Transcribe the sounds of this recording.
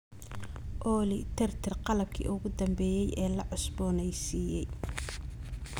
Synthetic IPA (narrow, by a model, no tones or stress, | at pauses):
ʔɔːlɪt̪ʰɛrt̪ʰɪrqɑlɐb̚kʰḭːʔʊɣʊd̪ɐmbɛːjɛjʔɛːlɐʕʊsbɔːnɛjsiːjɛj